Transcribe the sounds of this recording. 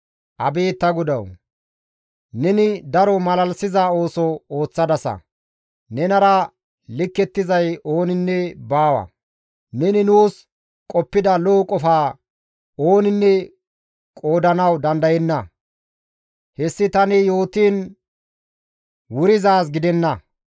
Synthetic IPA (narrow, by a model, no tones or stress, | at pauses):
ʔɐbe̞ːt̪ːɐɡʊd̪ɐw | nɛnɪd̪ɐɾɔmɐlɐlsɪzao̞ːsɔoːt͡sːɐd̪ɐsɐ̰ | nɛnɐɾɐ | lɪkːɛt̪ːɪzɐjo̞ːnɪnːɛbaːwɐ̰ | nɛnɪnuːs | kʼɔpːɪd̪ɐloːkʼɔfaː | o̞ːnɪnːɛ | kʼo̞ːd̪ɐnɐwd̪ɐnd̪ɐjɛnːɐ | hɛsːɪt̪ɐnɪjo̞ːt̪iːn | wʊɾɪzaːs̬ɡɪd̪ɛnːɐ